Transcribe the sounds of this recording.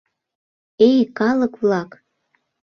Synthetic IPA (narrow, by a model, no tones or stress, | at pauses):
ejkɑləkβlɑk